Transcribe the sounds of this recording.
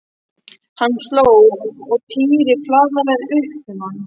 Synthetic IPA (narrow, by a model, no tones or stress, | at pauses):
hanːslowɔɣt̪ʰiːɾɪflaːɣalɛɾʏhpʏmhanː